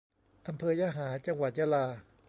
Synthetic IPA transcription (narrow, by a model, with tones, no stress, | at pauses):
ʔa˧mpʰɤː˧jaː˧ɦaː˩˦t͡ɕa˧ŋwa˨˩t̪̚jaː˧laː˧